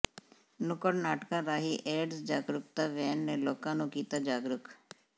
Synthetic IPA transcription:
nʊkəɽnaːʈkãːɾaːɦiʔeːɖsd͡ʒaːɡɾʊk̚t̪aːʋɛːnːelɔːkãːnũːkiːt̪aːd͡ʒaːɡɾʊk

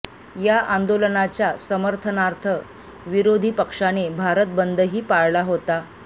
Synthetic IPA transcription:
jaʔand̪olənat͡ɕjasəməɾt̪ʰənaɾt̪ʰə | ʋiɾod̪ʱiːpəkʂanebʱaɾət̪̚bənd̪ʱəɦiːpaɭlaɦot̪a

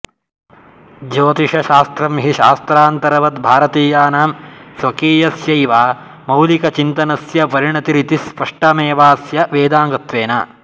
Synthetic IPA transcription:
d͡ʒoːt̪iʃɐʃaːst̪ɾɐmɦiʃa̰ːst̪ɾaːnt̪ɐɾɐʋɐt̪bʱaːɾɐt̪iːjaːnaːmsʋɐkiːjɐsjɐjʋaː | mɐwlikɐt͡ʃint̪ɐnɐsjɐʋɐɾiɳɐt̪iɾit̪ispɐʂʈɐmeːʋaːsjɐʋeːd̪aːŋɡɐt̪ʋeːnɐ̰

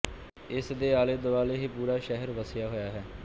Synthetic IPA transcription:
ɪsd̪eːaːleːd̪ʊʋaːleːɦiːpuːɾaːʃɛɦəɾʋəsɪjaːɦojaːɦɛː

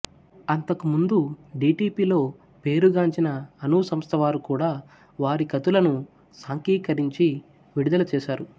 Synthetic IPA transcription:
ɐnt̪ɐkumund̪uɖiːʈiːpiːlo̞ː | pe̞ːɾuɡaːɲt͡ʃinɐːnuːsɐmst̪ʰɐʋaːɾukuːɽaː | ʋaːɾikɐt̪ulɐnu | saːŋkiːkɐɾiɲt͡ʃi | ʋiɽid̪ɐlɐt͡ʃɛːʃaːɾu

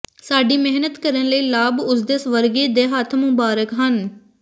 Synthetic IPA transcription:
saːɖiːmɪɦnət̪kəɾənləiːlaːbʊsd̪eːsʋəɾɡeːd̪eːɦat̪ʰmʊbaːɾəkɦən

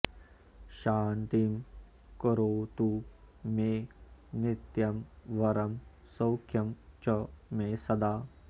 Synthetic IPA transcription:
ʃaːnt̪im | kɔɾoːt̪umenit̪jɐmʋɐɾɐm | sɐwkʰjɐmt͡ʃɐmeːsɐd̪aː

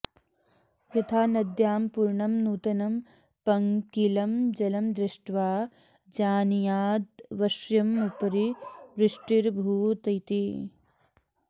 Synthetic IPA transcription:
ʋɾit̪ʰaːnɐd̪jaːmpuɾɳɐmnuːt̪ɐnɐm | pɐŋkilɐmd͡ʒɐlɐmd̪ɾɪʂʈʋaː | d͡ʒaːnjaːd̪ʋɐʃjɐmupɐɾiʋɾɪʂʈiɾbʱuːt̪ɐjt̪i

